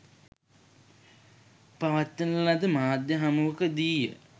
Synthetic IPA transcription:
paʋat̪ːənəlad̪əmaːd̪jəɦamuʋəkəd̪iːjə

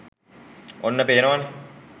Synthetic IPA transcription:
onːəpeːnoʋane

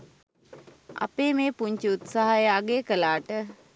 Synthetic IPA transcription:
a̰peːmeːpuɲt͡ʃiut̪saɦajəaɡeːkəlaːʈə

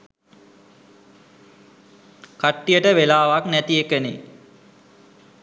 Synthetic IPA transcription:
kaʈːijəʈəʋelaːʋaknæt̪iekəne

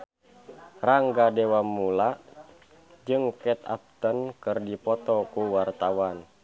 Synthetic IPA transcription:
raŋɡadɛwamːula | d͡ʒɨŋkɛt̪a̰p̚t̪ənkɨrdipɔt̪ɔkuwart̪awan

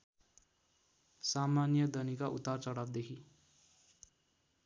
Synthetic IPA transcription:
samanjʌd̪ʌnikaʔut̪ːart͡sʌɽabd̪ekʰi

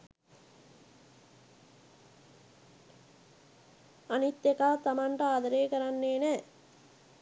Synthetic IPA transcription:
ɐnit̪jɐkaːt̪ɐmɐɳʈɐaːd̪ɐɾeːkɐɾɐnːeːne

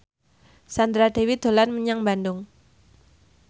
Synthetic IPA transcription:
sand̪ɾad̥ewid̪̥o̤lanməɲaŋbandʊŋ

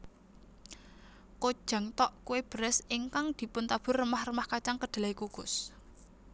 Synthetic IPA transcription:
kod̥ʒ̥a̤ŋt̪ɔʔkuweb̥ɾɛsiŋkaŋd̪̥i̤pʊnt̪ab̥ʊ̤rːəmahrəmahkat͡ʃaŋkəɖ̪̥a̤laikuɡ̥ʊ̤s

